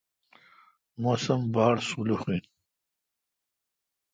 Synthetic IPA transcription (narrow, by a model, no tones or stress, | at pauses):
mosɐmbaːɽsuluxin